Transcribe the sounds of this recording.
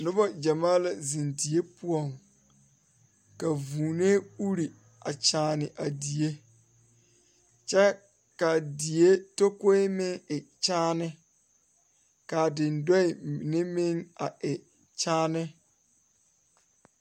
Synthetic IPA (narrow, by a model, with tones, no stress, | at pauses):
nʊ˦ba˦d͡ʒa˨maː˦la˨zi˨ndi˨e˦pʊ˦ɔ˨ŋ | ka˨vuː˨ne˦u˦ɾi˨ | a˨t͡ʃaː˨nɪ˨ʔa˨di˨je˦ | t͡ʃɛ˦ | ka˨di˨e˦to˦ko˦ɪ˦mɪ˦ŋɪ˨t͡ʃaː˦nɪ˦ | ka˨dɪ˨ndɔ˦ɪ˨nɪ˦mɪ˦ŋa˨ʔɪ˨ | t͡ʃaː˦nɪ˦